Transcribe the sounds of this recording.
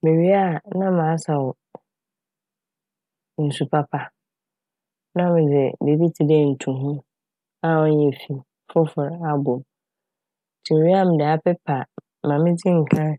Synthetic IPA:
mɪ̃˨ɥi˦a˦˨nã˦mã˨˦sa˨ɔ˨ | n̩˨su˨pʰa˦pʰa˦ | nã˦mɪ̃˨d͡zɪ˨be˨bi˦tʰi˨dɛ˦˨n̩˨tʰũ˨ɦũ˦ | a˦wɔ̃˦n˦jɛ˨fi˨ | fʊ˦fʊ˨ɾa˦bʊ̃˨m̩˨ | tʰi˨mẽ˨ɥi˦a˦˨mɪ̃˨dɛ˨a˦pɛ˦pʰa˨ | mã˨mɪ̃˦d͡zɪ˦ŋ̩˨kʰã˦

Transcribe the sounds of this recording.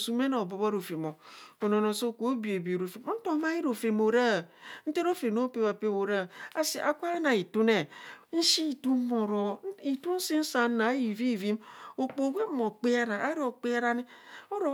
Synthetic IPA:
su˨m˦e˦na˨bo˨˦ba˦ɾo˨fe˨mo˨o˨no˨no˨so˦˨ko˦bi˨e˨bi˨ɾo˨fe˨˦n̩˦to˦ma˦i˦ɾo˨fe˨mo˨ɾa˦˨n̩˦te˦ɾo˦fe˨no˦pe˦βa˨pe˦wo˨ɾa˦˨a˦si˨a˨kʷa˦e˦na˨i˨tu˦ne˨n̩˦ʃi˦i˨tu˦mo˨ɾo˨˦i˨tu˦n̩˦si˦n̩˦sa˨n˦na˨˦ji˨vi˦˨vi˦mo˨k͡po˨˦we˦mo˨k͡pe˦a˦ɾa˨a˦ɾi˦o˨k͡pe˦a˦ɾa˦ni˦o˦ɾo˨

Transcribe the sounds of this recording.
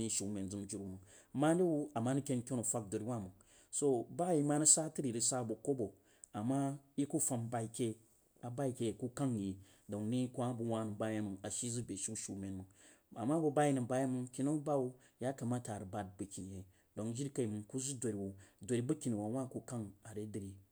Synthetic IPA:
ni˦ʃu˨me˨nd͡zu˨md͡ʒu˨ɾu˨mu˨ŋ | ma˦di˦wu˦a˨ma˦nu˦kʲe˦n˦kʲo˦nu˨fʷa˦k̚do˨ɾi˨˦wa˦˨mɨ˨ŋ | so˦ba˦ji˦ma˦nu˦sa˦tɨ˦ɾi˨ɾi˦sa˦˨bo˨ko˦bo˨ | a˨ma˦i˦ku˦fa˧mba˨˧i˨kʲe˦ | a˨ba˦i˦˨kʲe˨ku˦ka˦ŋji˨ | do˨ŋ˦ni˦kʷa˦bu˨wa˦nɨ˨ba˦ja˦mu˨a˨ʃi˦zu˦bʲe˨ʃi˦u˦ʃu˨me˨nmɨ˨ŋ | a˨ma˦bu˦ba˦ji˦nɨ˨ba˦ja˦mɨ˦ŋkʲi˦nu˦ba˦wu˦ | ja˦ka˨ma˦ta˨ɾɨ˨ba˨˦d̚bɨ˨kʲi˨n˨je˨ | do˨ŋ˦d͡ʒi˦ɾka˨i˨mɨ˨ŋku˦zu˦do˨ɾi˨wu˨do˨ɾi˦bɐ˦kʲi˨ni˨wa˨wa˦˨ku˦ka˦ŋa˨ɾe˦dɨ˨ɾi˨

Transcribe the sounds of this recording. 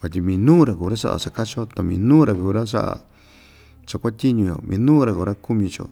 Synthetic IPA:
βa˨t̪ʲi˧mĩ˨˧nũː˦ɾa˨ku˨ɾa˦ʂa̰˦ʔa̰˨ʂa˧ka˦t͡ʃo˦t̪a˨mĩː˧nũː˦ɾa˨kuː˨ɾa˦ʂ̬a̰˦ʔa̰˨ | t͡ʃa˧kʷa˦t̪ʲi˦ɲũ˧jo̰˨mĩː˧˦nũː˦ɾa˨ku˨ɾa˦ku˦mĩ˧t͡ʃo̰˨

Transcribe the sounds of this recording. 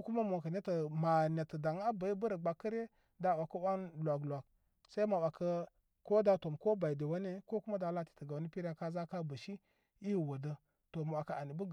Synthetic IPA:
ku˦ma˦mo˨ka˨ne˦tə˨ma˨ne˨tə˨da˨ŋ˦a˦ba˨ji˦bə˦ɾa˨ɡ͡ba˨kə˦ɾe˦ | da˦wʷa˨ka˦wa˦nlʷa˨ɡlʷa˨k | sa˦i˦ma˨wa˨ka˦ | ko˦da˦to˨mko˦ba˨i˨de˨wa˦ne˦ko˦ku˦ma˦da˨la˦ti̥˨tə˨ɡa˨˦ni˦pi˦ɾa˦ka˦za˦ka˦bə˨ʃi˦ | i˦ji˨wa˨də˦ | to˨ma˨wʷa˨ka˨a˨ni˨bə˦˨

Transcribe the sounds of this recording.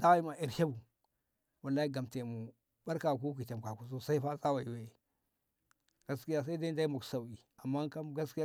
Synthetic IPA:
da˦wi˦ma˨i˨ɾha˦bu˨ | wa˨lːa˦i˦ɡa˨mte˨mu˨ | ba˦ɾka˨ku˦k̬i˨ta˨m˨ka˨ku˨s̬o˦sa˦i˦fa˦za˦wa˨i˨we˦i˨ | ɡ̥a˦ski˦ja˦s̬a˦i˦da˦i˦da˦i˦mu˨ksa˨wi˨a˨mːa˦ka˦ɡa˦ski˦ja˦

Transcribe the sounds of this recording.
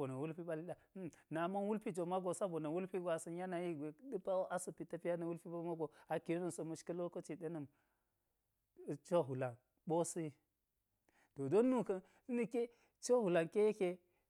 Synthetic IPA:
o˨na˨wu˦lpi˦ɓa˦li˦a˦˨˦na˨ma˦nwu˦lpi˦d͡ʒo˨ma˦ɡo˨sa˦bo˨na˨wu˦lpi˦ɡʷa˨sə˨ja˦na˨ji˦ɡe˨ɗɨ˦pa˦wo˦ʔa˦sə˨pi˨ta˦pi˦ja˦na˨wu˦lpi˦ba˦ma˦ɡo˨a˨ki˨ɾnɐ˦˨nso˨mu˨ʃkɐ˦lo˦ko˦t͡ʃi˨ɗe˦nə˨m˨ | t͡ʃo˦ɦu˨la˨n | ɓo˦si˦i˦ | to˨do˦nːu˦kə˦n | si˦ni˨ke˦ | t͡ʃo˦hu˨la˨nke˦je˦ke˦

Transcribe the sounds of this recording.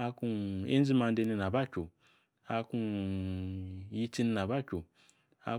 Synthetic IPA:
a˧ku˧ḛ˦n˦d͡zi˦ma˧nde˧ni˧na˨ba˦kʲo˨ | a˧ku˧ | ji˦˧t͡si˦ni˧na˨ba˦kʲo˨ | a̰˧

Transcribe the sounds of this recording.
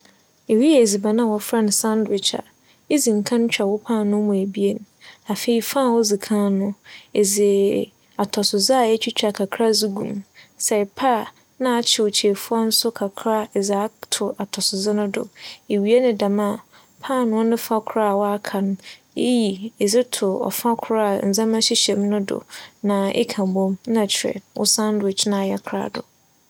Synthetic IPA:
e˨wi˦ɛ˦˨e˨zi˨ba˨nã˦˨wɔ˨fɾa˦n˨sã˦ndɪ˨t͡ʃʰa̰˨ | e˦zĩ˨ŋ̩˨kʰã˦n˦t͡ɕᶣʰa˨wɔ˦pʰã˦˨nʊ̃˦mʊ̃˨æ˨bi˦e˨n˦a˨fe˨i˨fã˦˨wɔ˦zi˨kʰã˦nʊ̃˦e˨zɪ˨ | a˨tʰɔ˨sʊ˨zɪ˦a˨ɛ˦t͡ɕᶣʰi˦t͡ɕᶣa˨kʰa˨kʰɾa˦zi˦ɡṵ̃˨msɛ˨pʰa˦˨ | nã˦a˨t͡ɕʰɪ˨o˨t͡ɕʰe˨fʊ˦ɔ˦n̩˦sʊ˦kʰa˨kʰɾa˦˨za˦tʰʊ˨ʔa˨tʰɔ˨sʊ˨zɪ˦nʊ̃˦dʊ̰˨e˨ɥi˨e˦nɪ̃˦dã˨mã˦˨ | pʰaː˦˨nʊ̃˦nʊ̃˦fã˦kʰʊ˨ɾa˦˨wɔ˦a˦kʰa˨nʊ̃˦ | e˦ji˨e˨zɪ˦tʰʊ˨ɔ̰˨fã˦kʰʊ˦ɾa˦˨n̩˨zã˦mã˦ɕi˦ɕɛ˨m˦nʊ̃˦dʊ̰˨nã˨ḛ˦kʰã˨m˨bõ˦m˦nã˨t͡ɕʰɛ̰˨wʊ̰˦sã˦ndɪ˨t͡ʃnã˨jɛ˦kʰɾa̰˦dʊ̰˨

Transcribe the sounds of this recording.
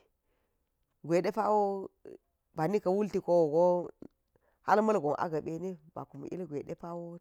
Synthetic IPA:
ɡʷe˨de˦pa˦wo˦ | ba˨ni˦ka˨wu˦lti˨ko˦wo˨ɡo˦ | ha̰˦lmɐ˦lɡo˨ŋʔa̰˦ɡa˨ɓe˨ne˦ba̰˨ku˨m˨ḭ˦lɡʷe˨ɗe˦pa˦wo˦

